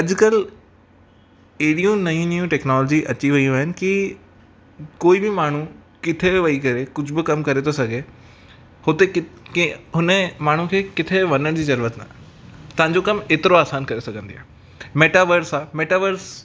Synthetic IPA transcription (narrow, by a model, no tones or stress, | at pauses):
ɐd͡ʑkɐl | eɦɽijũnɐjũnjũʈɛːknɔːlɔːd͡ʑiʔɐt͡ɕiʋɐiũʋɦɪnɪ̆ki | koːibɪmaːɳ̤ukɪt̪ʰeʋɐikɐɾekʊd͡ʑʱʊbɪkɐmkɐɾet̪ʰosɐɡʱe | hʊt̪eɪkɦʊnəmaːɳ̤ũkʰeːkɪt̪ʰeʋɐnəɽ̃d͡ʑiːzɐɾuːɾət̪na̰ | t̪ɐ̃ɦãɲd͡ʑokɐmeːt̪ɪɾoaːsaːnkɐɾesɐɡʱə̃nd̪ija̰ː | meːʈaːʋəɾsaːmeːʈaːʋəɾs